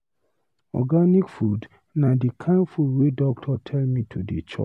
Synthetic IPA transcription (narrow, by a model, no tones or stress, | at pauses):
ɔ̰ɡanikfud | nadikʰãnfudwedɔk̚tʰɔtʰɛlmĩtʰudit͡ʃʰɔ̰t͡ʃ